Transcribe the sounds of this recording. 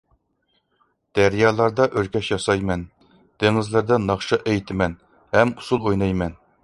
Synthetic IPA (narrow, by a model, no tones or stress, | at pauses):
d̪̥æɾjɑːlˠɑɾd̪ɑʔøɾkʲɛʃjɑsɑjmɛn | d̪̥eŋɨzlɪɾd̪ɑnɑχʃɑʔejt̪ʰɪmɛn | hɛmusulˠojnɑjmɛn